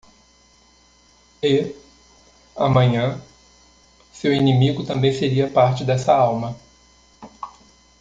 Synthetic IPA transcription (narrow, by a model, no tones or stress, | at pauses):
e | ɐ̰mɐ̃ɲɐ̃ | sewinĩmiɡʊt̪ɐ̃mbẽj̃feɾiɐpaɾt͡ʃɪd̪ɛsɐawmɐ